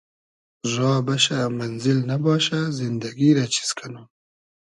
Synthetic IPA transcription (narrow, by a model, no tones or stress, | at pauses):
zɑːbɐʃamɐnzɪlnabɑːʃazɪnd̪ɐɡiɾat͡ʃi̥skʰanum